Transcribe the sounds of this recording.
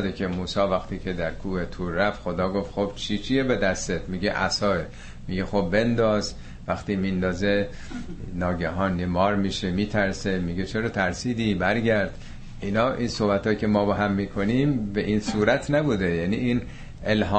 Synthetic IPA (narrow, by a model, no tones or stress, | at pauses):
d̪ekʰemuːsɒːvæxt̪iːkʰed̪æɾkʰuːet̪ʰuːɾːæft̪xod̪ɒːɡoft̪xob̥t͡ʃʰit͡ʃʰijebe̞d̪æst̪et̪miːɡeʔæsɒːe | miːɡexobbe̞nd̪ɒːz | væxt̪iːmind̪ɒːze | nɒːɟæɦɒːnːemɒːɾmiʃemiːt̪ʰæɾse̞miːɡet͡ʃʰeɾɒt̪ʰæɾsiːd̪ibæɾɟæɾd̪ | ʔinɒːʔinsohbæt̪hɒːjicʰemɒːbeɦæmːiːkʰo̞niːmbeʔinsuːɾæt̪ʰnæbuːd̪ejænḭːʔiːn | elɦɒː